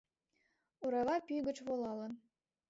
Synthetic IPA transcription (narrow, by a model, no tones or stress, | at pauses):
uɾɑβɑpʲyjɡɘ̆t͡ɕβolˠɑlˠɤ̆